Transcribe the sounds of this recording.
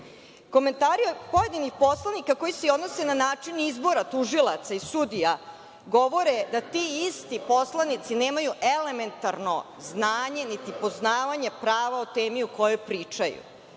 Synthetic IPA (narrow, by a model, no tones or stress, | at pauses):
ko̞me̞nt̪aːɾiopo̞je̞d̪inixpo̞slˠanikako̞jiseo̞d̪no̞senanaːt͡ʂinizbo̞ɾat̪uʒilat̪saisud̪ija | ɡo̞ʋo̞ɾed̪at̪iist̪ipo̞slˠanit̪sine̞ːmajuʔele̞me̞nt̪aɾno̞ | znaːɲe̞nit̪ipo̞znaːʋaɲepɾaːʋaot̪eːmiuko̞jojpɾiːt͡ʂajṵ